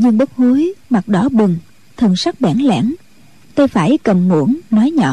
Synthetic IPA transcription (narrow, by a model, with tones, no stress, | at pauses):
ɲɨ˧ŋɓə˦˥k̚hu˨˦jma˨˩k̚ɗɔ˨˦ɓɨ˨˩ŋ | t̪ʰɨ˨˩əŋsa˦˥k̚ɓaː˧˩nlɛ̰ː˧˥n | t̪ə˧jfaː˧˩jkə˨˩mŋu˧˩əŋnɔ˨˦jɲɔ̰˧˩